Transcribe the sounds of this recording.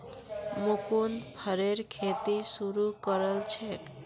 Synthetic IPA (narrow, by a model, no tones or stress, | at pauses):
mukunbʱəɾeɾkʰet̪isuɾukəɾəlt͡ʃʰek